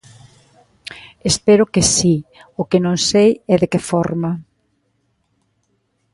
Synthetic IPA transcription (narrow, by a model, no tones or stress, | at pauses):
espɛɾʊkɪsiʊkɪnõŋsejɛðekɪfɔɾmɐ